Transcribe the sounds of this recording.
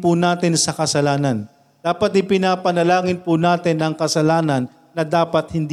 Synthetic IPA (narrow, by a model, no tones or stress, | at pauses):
pʊnaːt̪ɪnsɐkɐsɐlaːnɐn | d̪̥aːpɐt̪ɪpɪnaːpɐnɐlaːŋɪnpʊnaːt̪ɪnɐŋkɐsɐlaːnɐnːɐd̪aːpɐt̪̚hɪnd̪